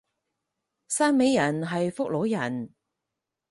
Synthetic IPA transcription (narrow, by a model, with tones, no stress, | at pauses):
saː˥nme˨˥jːɐ˨˩nɦɐ˨jfʊ˥k̚lo˨˥jɐ˨˩n